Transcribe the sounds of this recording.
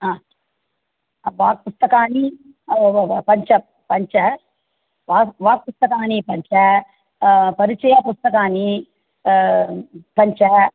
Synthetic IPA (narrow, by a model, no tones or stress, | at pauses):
aː | ʋaːk̚pust̪ɐkaːni | pɐɲt͡ʃɐ | pɐɲt͡ʃɐ | ʋaːʋaːk̚pust̪ɐkaːnipɐɲt͡ʃɐ | pɐɾit͡ʃɐjaːpust̪ɐkaːni | pɐɲt͡ʃɐ